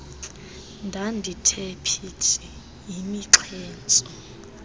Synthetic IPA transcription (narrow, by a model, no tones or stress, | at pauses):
ndʱandʱitʰepʰitʰi | imiǁʰɛːnt͡sʼɔ